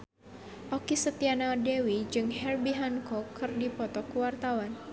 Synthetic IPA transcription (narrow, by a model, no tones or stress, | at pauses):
ʔɔkisət̪ianadɛwid͡ʒɨŋɦɛrbiɦankɔkʰːɨrdipɔt̪ɔkuwart̪awan